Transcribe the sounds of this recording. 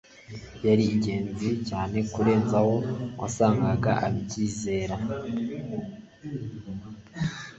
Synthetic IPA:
jaɾiːɟe̞ːnzicaːne̞kuɾe̞ːnzaho̞wʔa̰saːŋɡaɡaʔa̰βiciːze̞ːɾa

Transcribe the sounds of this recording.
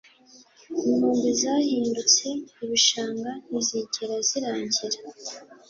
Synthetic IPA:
imhuːŋɡuzaːhiːndut͡se̞iβuʃaːŋɡaniziːɲɟeɾaziɾaːɲɟiɾa

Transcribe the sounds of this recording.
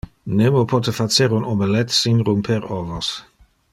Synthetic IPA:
nemopʰɔt̪efat̪t͡seɾunobelɛt̪sinɾumpʰeɾɔvos

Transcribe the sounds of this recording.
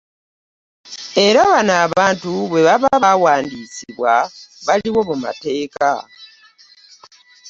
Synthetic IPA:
e̞ɾaβanaːβaːntuβwe̞βaβaβawaːndisiβwaβaliβo̞muma̰te̞ːka

